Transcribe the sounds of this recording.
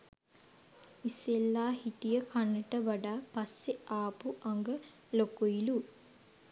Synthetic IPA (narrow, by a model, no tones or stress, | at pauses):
iselːaːhiʈijɐkʰɐnːɐʈɐʋɐɖaːpɐsːeaːpuʔɐŋɡɐ | lokoilu